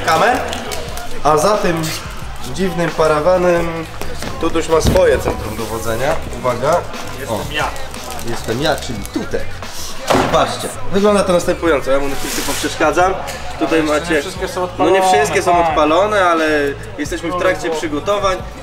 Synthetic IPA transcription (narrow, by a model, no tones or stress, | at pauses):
kamɛ | azat̪ɛm | d͡ʑivnɘmpaɾavanɛm | t̪ut̪uɕmasfɔjɛt̪sɛnt̪ɾumd̪ɔvɔd̪zɛɲauvaɡa | ɔja | jɛst̪ɛmjat͡ʂɘlʲit̪ut̪a̰j | bat͡ʂt͡ɕɛvɘɡlɔnd̪at̪ɔnast̪ɛmpujɔnt̪sɔjamunɛfʂɨsk̪ʲɛpɔpʂɛʂkad̪zam | t̪ut̪ajmat͡ɕɛkʲnnɔɲɛfʂɘst̪̚kʲɛsɔ̃w̃ɔt̪palɔnɛalɛ | jɛst̪ɛɕmɘft̪ɾakt͡ɕɛpʂɨɡɔt̪ɔvaɲ